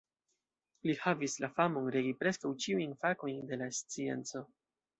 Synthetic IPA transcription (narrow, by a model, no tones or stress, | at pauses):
lihavislafamo̞nɾe̞ɡipɾe̞skawt͡ʃiujnfako̞jnde̞last͡sie̞̰nt͡so̞